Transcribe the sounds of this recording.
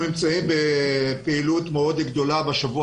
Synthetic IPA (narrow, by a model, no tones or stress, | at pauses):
nimt͡saimbepeilut̪meo̞d̪ɡd̪o̞labeʃavu